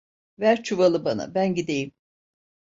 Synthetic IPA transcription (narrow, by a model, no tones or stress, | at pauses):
væɾt͡ʃʰuvalˠɯbana̰bænɟid̪ejim